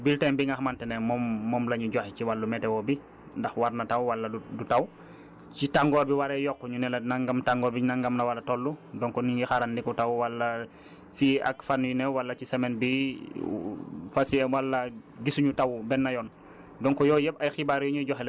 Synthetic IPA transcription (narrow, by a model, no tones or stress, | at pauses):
biltɛmbiŋɡaxmantɛnɛmɔmːɔːmlɐɲuɟɔxɛciwalːumɛtɛwɔbi | ndɐxwaɾnɐtawwalːɐudutaw | citaŋɡɔbiwaɾɛjɔkːɔɲunɛlɐnaŋɡamtaŋɡɔːbinaŋɡɐmnɐwalɐtɔlːudɔŋkɔniŋɡixaɾandikɔtawwalːɐ | fia̰kfanjunɛwalːɐcisɛmɛnbi | fasiɛwalːɐɡisuɲutawbɛnːɐjɔn | dɔŋkɔjɔjɛbɐjxibaɾjɔɲuɟɔxɛlɛ